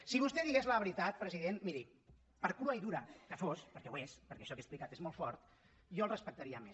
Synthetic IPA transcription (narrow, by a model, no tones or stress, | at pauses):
siβust̪ɛðiɣezləβɾit̪at̪̚pɾəziðenmiɾi | pəɾkɾuaiðuɾakəfospəɾkɛwespəɾkɛʃɔkesplikat̪ezmɔlˠfɔɾt̪ | jɔəlˠrəspək̚t̪aɾiəme